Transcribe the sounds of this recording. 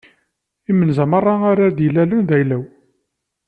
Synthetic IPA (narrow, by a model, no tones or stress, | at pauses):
imənzæmərˤːɑaɾad̪jəlːælənðæjlæw